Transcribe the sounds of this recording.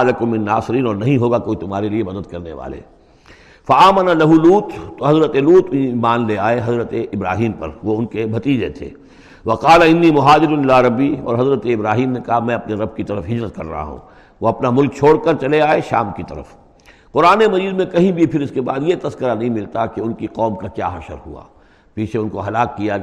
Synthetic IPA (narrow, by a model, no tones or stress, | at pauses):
lɐkʊmːɪ̃nːaːsɪɾiːnɔːɾnɐɦĩɦoːɡakoːit̪ʊmɦaːɾeliemɐd̪əd̪kɐɾnḛʋa̰ːlḛ | fɐaːmɐnalɐɦuluːt̪ːoɦɐzɾət̪eluːt̪iːmaːnleaːeɦɐzɾət̪eɪbɾa̰ːɦiːmpɐ̰ɾʋoʊnkebʱɐt̪iːd͡ʒet̪ʰḛː | ʋɐqaːlaɪnːiːmʊɦaːd̪ɪɾʊnɪlaːɾɐbːiɔ̰ːɾɦɐzɾət̪eɪbɾaːɦiːmnekɐɦamɛ̃ɐpneɾɐbkit̪ɐɾəfɦɪd͡ʒɾət̪kɐ̰ɾːɐ̰ɦa̰ɦṵ̃ː | ʋoɐpnamʊlk̚t͡ʃʰoːɽkɐɾt͡ʃɐleaːeʃaːmkit̪ɐɾə̰f | qʊɾaːnemɐziːd̪mẽkɐɦĩbʱipʰɪɾɪskeba̰ːd̪jet̪ɐskəɾanɐɦĩmɪlt̪akeʊnkiqɔːmkakja̰ːɦɐʃə̰ɾɦua̰ː | piːt͡ʃʰeʊnkoɦɐlaːkːija